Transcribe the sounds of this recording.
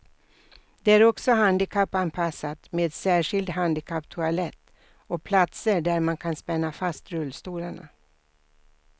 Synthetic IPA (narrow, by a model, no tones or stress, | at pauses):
d̪̥ɛæɾɔksɔɦand̪ɪkʰapːanpʰasːat̪meːd̪sæːʂɪld̪ɦand̪ɪkʰapːt̪ʰʊalɛt̪ː | ɔpʰlat̪səɖæɾmankʰanspɛnːafast̪ɾɵlːst̪uːlaɳa̰